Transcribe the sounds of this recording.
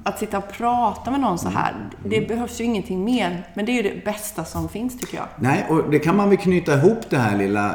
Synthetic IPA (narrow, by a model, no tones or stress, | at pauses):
at̪sɪt̪ːaɔpʰɾɑːt̪amɛnɔnːsɔɦæ̰ːɾd̪ɛbɛɦœvsjɵɪŋːənt̪ʰɪŋːmeːɾmɛnd̪ɛæɾjɵd̪ɛ̰bɛst̪asɔmfɪnst̪ʰʏkːəjɑ̰ːɡnɛʔɔd̪ɛkʰanmanvɛlkʰnyːt̪aɪɦuːpːd̪ɛɦæːɭɪlːa̰